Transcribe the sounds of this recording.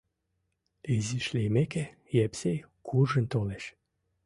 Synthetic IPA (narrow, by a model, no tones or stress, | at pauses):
eziʃlejmeke | jæpsej | kʰurʒɘ̆nt̪oleɕ